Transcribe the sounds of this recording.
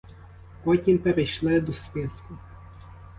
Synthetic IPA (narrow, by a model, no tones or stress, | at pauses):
pɔtʲimpeɾejʃlˠɪd̪ɔspɪskʊ